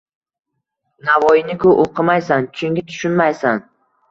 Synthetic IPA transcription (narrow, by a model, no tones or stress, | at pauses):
navɒjɪnɪkʰʊʔoqʰɨmajsant͡ʃʰʊŋkʲɪt̪ʰʊ̥ʃʊnmajsan